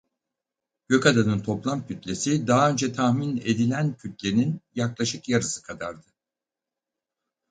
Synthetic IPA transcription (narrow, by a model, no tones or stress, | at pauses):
ɟ̥ø̞kad̪anɯnt̪ʰo̞plˠamcʰyt̪lʲe̞sid̪aɦaø̞nd͡ʒɛt̪ʰahmine̞d̪ilʲæncʰyt̪lʲe̞ninjaklˠaʃɯkjaɾɯsɯ̥kʰad̪aɾd̪ɯ